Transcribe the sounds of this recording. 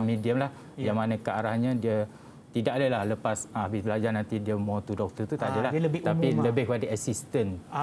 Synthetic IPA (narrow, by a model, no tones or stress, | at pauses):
mediəmlah | jamanãkəaɾahɲãdiə | t̪idaʔdəlahləpasaabisbəlad͡ʒarnãnt̪idiəmɔt̪udɔk̚t̪ərt̪ut̪adəlahəbt̪apiləbɪhkəpadaasist̪ən